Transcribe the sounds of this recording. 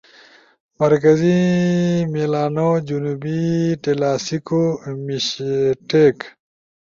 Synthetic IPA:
mɐɾkɐzi | milaːnod͡ʑunubiʈelaːsikomiɕʈeːk

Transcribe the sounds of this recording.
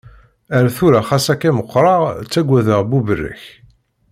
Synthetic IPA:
æɾæθuɾaχæsækːæməqːɾˤɑʁt͡sːæɡʷːæðəʁbuvərːə̰ç

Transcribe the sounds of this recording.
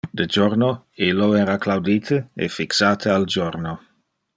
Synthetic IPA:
d̪əd͡ʒorno | ilːoɛːɾaklawd̪iːt̪ʰəḛfiksaːt̪ʰəald͡ʒoɾno

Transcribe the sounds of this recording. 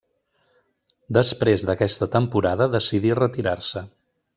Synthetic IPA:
d̪əspɾezðəkɛst̪ət̪əmpuɾaðəðəsiðirət̪iɾarsə

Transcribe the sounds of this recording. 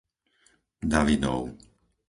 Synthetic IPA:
d̪aʋid̪ɔ̰ʊ

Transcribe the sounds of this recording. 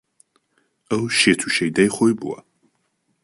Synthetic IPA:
ɐwʃet̪ʰuʃɐjd̪ɐjχojbṵwɐ̰

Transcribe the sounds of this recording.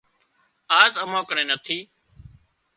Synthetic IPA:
aːzəmãːkəɳẽːnət̪ʰiː

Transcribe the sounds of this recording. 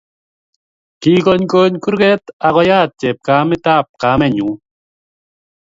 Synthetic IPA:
kikoɲkoːɲkuɾɡɛt̪aɣɔjaːt̪̚t͡ʃɛp̚kamit̪ap̚kamɛɲu

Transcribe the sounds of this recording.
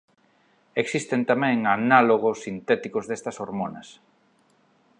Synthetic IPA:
eksist̪ent̪amɛ̃ŋanaloɣosːint̪ɛt̪ikozðest̪ɐsoɾmonɐ̰s

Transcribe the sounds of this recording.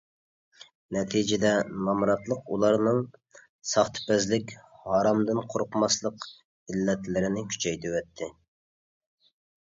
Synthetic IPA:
nɛt̪ʰid͡ʒɪd̪ɛnɑmɾɑt̪lˠəqulˠɑɾnɨŋ | sɑχt̪ʰɨ̥pɛzlɪkʲhɑːɾɑmd̪ɨnqʰoɾqmɑslˠəq | ilːɛt̪lɪɾɪnɪkʲʰy̥t͡ʃʰɛjt̪ʰywɛt̪ʰːɪ

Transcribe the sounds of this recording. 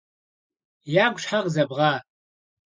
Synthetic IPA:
jaːɡʷʂħaʁzɐbʁɑː

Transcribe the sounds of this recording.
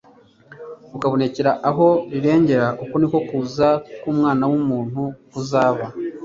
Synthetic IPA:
ukaβo̞ne̞ceɾaʔaɦo̞ɾiɾe̞ːɲɟe̞ɾaʔukoniko̞kuːzakuːmŋaːnawumuːn̥huuzaːβa

